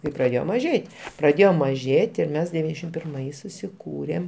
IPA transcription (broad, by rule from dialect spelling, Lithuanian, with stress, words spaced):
kɐɪ prɐˈdʲeːjoː mɐˈʒʲeːtʲ prɐˈdʲeːjoː mɐˈʒʲeːtʲ ɪr ˈmʲɛs dʲɛˈʋʲiːnʲɛzʲdʲɛʃʲɪm pʲɪrˈmɐɪs sʊsʲɪˈkuːrʲeːm